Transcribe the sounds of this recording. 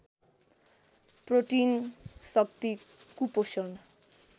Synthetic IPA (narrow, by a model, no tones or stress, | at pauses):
proʈinsʌk̚t̪ikuposʌn